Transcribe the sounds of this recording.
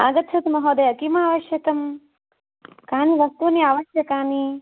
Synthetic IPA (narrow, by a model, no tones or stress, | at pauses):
a̰ːɡɐt̪ʰɐt̪mɐɦoːd̪ɐjɐkimaːʋɐʃjɐkɐm | kaːniʋɐst̪uniaːʋɐʃjɐkaːni